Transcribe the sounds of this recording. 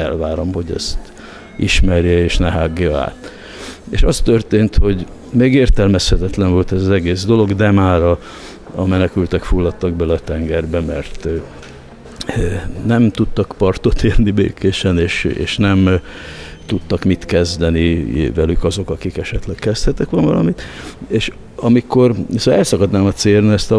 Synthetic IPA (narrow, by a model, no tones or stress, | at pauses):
ɛ̰lvaːɾomho̞ɟɛ̰st̪ | ʔḭʃmɛrjɛeːʃnɛɦaːɡjɒa̰ːt̪ | ḛʃɒst̪ørt̪eːnt̪ho̞ɟ | meːɡeːrt̪ɛlmɛshɛt̪ɛt̪lɛɱvo̞lt̪ɛzɒzɛɡeːzd̪o̞lo̞ɡd̪ɛmaːɾɒː | mɛnɛkylt̪ɛkfulːɒt̪ːɒɡ̚bɛlɒt̪ɛŋɡɛrbɛmɛrt̪ | nɛmt̪ut̪ːɒkpɒrt̪o̞t̪eːrnibḛːkeːʃɛneːʃḛːʃnɛm | t̪ut̪ːɒkmit̪kɛzd̪ɛnivɛlykɒzo̞kɒkikɛʃɛt̪lɛkkɛst̪hɛt̪ɛkʋɒnvɒlɒ̰mit̪eːʃ | ɒmiko̞risɒɛlsɒkɒd̪naːmɒt̪seːrniɛst̪ɒ